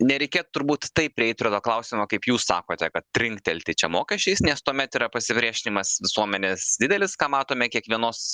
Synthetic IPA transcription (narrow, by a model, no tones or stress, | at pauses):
nʲɛɾʲɛɪkʲeːt̪ʊt̪ʊɾbuːt̪t̪ɐɪp̚ʲpʲɾʲɪɛɪt̪̚ʲpʲɾʲɪt̪oːklˠɐʊsʲɪmokɐɪpjuːssɑ̰ːkoːt̪ʲɛkɐt̪̚tʲɾʲɪŋkt̪ʲɛlʲt̪ʲɪt͡ʃʲɛmoːkʲɛʃʲt͡ʃʲɛɪsnʲɛst̪uɔmʲɛt̪iːɾɐpɐsʲɪpʲɾʲiɛʃʲɪnʲɪmɐsʋʲɪsuɔmʲɛnʲeːsd̪ʲɪd̪ʲɛlʲɪskɑːmɑːt̪oːmʲɛkʲiɛkʋʲiɛnoːs